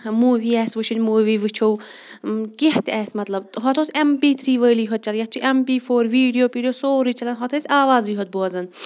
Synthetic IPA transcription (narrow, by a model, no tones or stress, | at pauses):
muːʋiːɛːsʋɨt͡ʃʰinʲmuːʋiːʋɨt͡ʃʰow | keht̪ɛːsmɐt̪lɐbɦɔt̪ʰoːsʲempiːt̪ʰɾiːʋəːliːɦɔt̪̚t͡ʃɐljɐt͡ʃʰiʔempiːfʰoːɾʋiːɖijoːpiɖijoːsoːɾit͡ʃʰɐlɐnɦɔt̪ʰɐsʲaːʋaːziːɦɔt̪̚boɐzɐn